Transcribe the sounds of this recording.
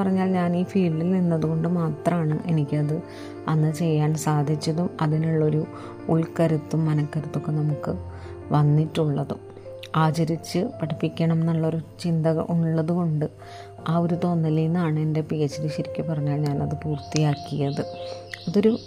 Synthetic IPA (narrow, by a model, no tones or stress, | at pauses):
pɐrɐɲːaːlɲaːniːfiːɭːilninːɐðuɣo̞ɳɖɨmaːt̪rɐmaːɳɨʔe̞nikʲːɐðɨ | ɐnːɨt͡ɕe̞jːaːɳsaːd̪ʱit͡ɕːɐðumɐðinuɭːo̞ɾu | uɭkɐɾut̪ːumːɐnɐkːɐɾut̪ːo̞kːenɐmukːɨ | ʋɐnːiʈːuɭːɐðṵ | aːt͡ɕɐɾit͡ɕːɨpɐʈʰɐpːikʲːɐɳɐmnːɐɭːo̞ɾut͡ɕind̪ɐɣɐʔuɭːɐðuko̞ɳɖɨ | aːo̞ɾut̪o̞nːɐlinːaːɳɨe̞nde̞piet͡ɕːɐɾiɕiɾikʲːɨpɐrɐɲːaːlɲaːnɐðɨpuːrt̪ːijaːkːijɐðɨɐðo̞ɾu